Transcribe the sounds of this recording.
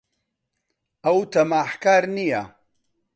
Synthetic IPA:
ʔɐwt̪ɐmaːħkaːɾnija̰

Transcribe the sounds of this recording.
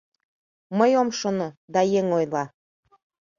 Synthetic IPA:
məjomʃonod̪ɑjeŋojlˠɑ

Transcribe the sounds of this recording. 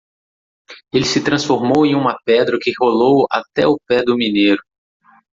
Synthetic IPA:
elɪsɪt̪ɾɐ̃sfoɾmowẽj̃ũmɐpɛd̪ɾɐkɪholowa̰t̪ɛʊpɛd̪ʊmineɾʊ

